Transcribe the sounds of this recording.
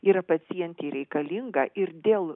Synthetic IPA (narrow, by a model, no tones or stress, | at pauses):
iːɾɐpɐsʲijɛnʲt̪ʲeɾʲɛɪkɐlʲiŋɡɐʔɪɾd̪ʲeːlˠ